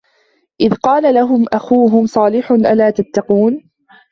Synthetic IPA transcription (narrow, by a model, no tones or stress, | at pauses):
ʔɪðqɑːlalaɦʊmʔaxuːɦʊmsˤɑːlɪħʊnʔalaːt̪at̪ːɑquːn